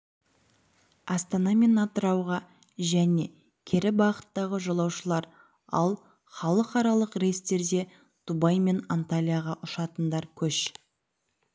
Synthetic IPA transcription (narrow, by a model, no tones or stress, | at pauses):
ɑst̪ɑnɑme̞nɑt̪əɾɑwʁɑ | ʒæne̞ | kʲʰeɾɪbɑqə̥t̪ːɑʁəʒolˠɑwʃəlˠɑɾ | ɑ̰lˠ | χɑlˠəqɑɾɑlˠəqɾest̪e̞ɾd̪e̞ | d̪̥ubɑjme̞nant̪alʲijaʁɑʔʊʃɑt̪ənd̪ɑɾkʲʰɵʃ